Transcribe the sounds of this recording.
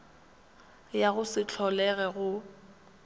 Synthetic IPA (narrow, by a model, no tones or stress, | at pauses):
jaɣʊsɪt͡ɬʰɔlɛɣɛɣʊ